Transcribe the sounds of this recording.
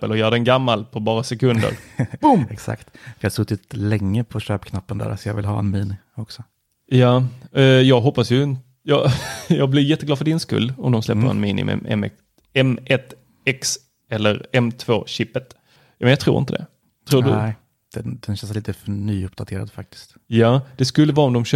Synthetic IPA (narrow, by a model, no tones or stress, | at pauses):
ə̰lɔjœːɾaɖɛnɡamːalpʰɔbɑːɾasɛkɵnd̪ə̰ɾbʊmɛksa̰kt̪fɾhasɵt̪ːɪt̪lɛŋːəpʰɔɕøːpkʰnapːənd̪æ̰ːɾsɔjɑ̰ːvɪ̰lɦɑ̰ːɛnmiːnɪ | ɔksɔ | jaːjɑːɡɦɔpːasjɵn | jɑjɑːɡblɪɾjɛt̪ːəɡ̪ɑːfœɖɪnskɵ̰lːɔmd̪ɔmslɛpːəɾɛ̰nmiːnɪ̰mʊ̰mɛ̰mɛ̰ | ɛmʔɛt̪ | ɛks | ɛlːəɾɛmt̪ʰvo̰ːɕɪpːət̪ | jmɛnjat̪ʰɾṵːɾɪnt̪əd̪ɛ̰ | t̪ʰɾuːdɵ | d̪̥ɛd̪̥ɛnɕɛnsliːt̪əfœɳyːɵpd̪at̪ʰeːɾa̰d̪fak̚t̪ɪ̥st̪ | jaːd̪̥ɛskɵlːəvɑːɔmd̪ɔmɕø